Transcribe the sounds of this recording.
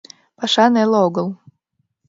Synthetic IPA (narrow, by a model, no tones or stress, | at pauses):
paʂanɛlˠoɡəlˠ